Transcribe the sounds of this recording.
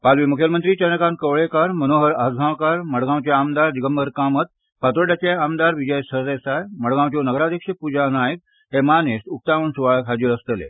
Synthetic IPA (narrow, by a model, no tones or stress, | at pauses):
palʋimukʰjəmənt̪ɾiːt͡ɕənəkãnkəʋɭekaɾmənoɦəɾad͡zɡʱãwkaɾməɽɡãwt͡ɕaamd̪aɾd͡ʑiɡəmbəɾkamət̪̚ | pat̪əʈat͡ɕeamd̪aɾʋid͡ʑəjsəd̪esajməɽɡãwt͡ɕonəɡɾad̪ʱjəkʂəpud͡ʑanajək̚ | ɦemanest̪uk̚t̪aʋəɳsuʋaɭkɦad͡ʑiɾəst̪əlḛ